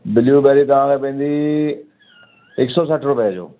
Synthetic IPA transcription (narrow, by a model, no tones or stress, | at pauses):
bɪljubɛɾit̪ɐʋ̤ãːkʰeːpɐ̃ĩːn̆d̪i | ɪksɔːsəʈʰɾʊpəjad͡ʑo̰ː